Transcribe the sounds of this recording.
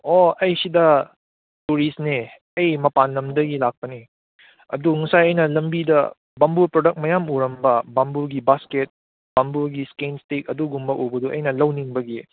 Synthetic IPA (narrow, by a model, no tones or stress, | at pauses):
oɐjsidɐ | tuɾisne | ɐjmɐpanlɐmdɐɡilak̚pɐni | ɐ̰duŋɐsajɐjnɐlɐmbidɐ̰ | bambuɾpɾodɐk̚mɐjamuɾɐmbɐbambuɾɡibasket̚ | b̥ambuɾɡiskenstek̚ɐduɡumbɐʔobɐduʔɐ̰jnɐlɐwniŋbɐɡi